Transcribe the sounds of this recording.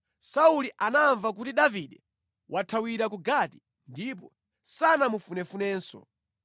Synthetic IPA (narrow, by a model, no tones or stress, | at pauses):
sauliʔanaɱvak̬utiɗaviɗɛ | wʔatʰawiɾakuɡati̥ | ndip̬ɔ | sanamufunɛfunɛːnsɔ̰